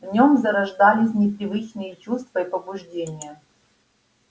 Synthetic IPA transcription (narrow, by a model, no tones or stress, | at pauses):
vnʲomzɐɾɐʐd̪alʲɪsʲnʲɪpɾʲɪvɨt͡ʃnɨjɛt͡ɕust̪vɐipəbʊʐdʲenʲɪjə